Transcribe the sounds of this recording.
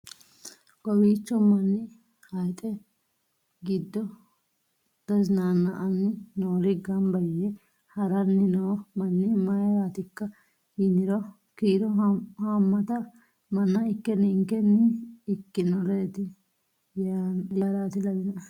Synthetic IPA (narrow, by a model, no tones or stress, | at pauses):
ɡɔwiːt͡ʃːɔmːɐnːɪ | hɐjt̪ʼɛ | ɡɪd̪ːɔ | d̪̥ɐznaːnːɐʔɐnːɪnoːɾɪɡɐnbɐjɛ | hɐɾɐnːɪnoːmɐnːɪmɐjɾaːt̪ɪkːɐ | hinɪɾɔ | kiːɾɔhamːɐt̪ɐ | mɐnːɐɪkːɛnɪŋkɛnːɪːkːɪnɔɾeːt̪ɪ | jaːɾaːt̪ɪlɐbɪnɐ